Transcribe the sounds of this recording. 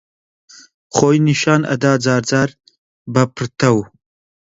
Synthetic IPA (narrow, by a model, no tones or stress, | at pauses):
χoːjniʃɑːnɐ̰d̪aːd͡zaːɾd͡zaːɾ | bɐpʰɾt̪ʰɐw